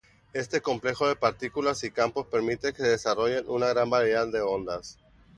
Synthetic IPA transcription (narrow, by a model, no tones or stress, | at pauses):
e̞st̪e̞ko̞mple̞xo̞ð̞e̞paɾt̪ikulasikampo̞spe̞ɾmit̪e̞keseðe̞saro̞ʝe̞nʔunaɣɾambaɾeðaððːe̞o̞nd̪as